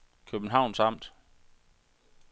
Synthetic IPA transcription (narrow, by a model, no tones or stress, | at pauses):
kʰøb̥n̩ɦɑ̈ʊ̰nsɑ̈m̰d̥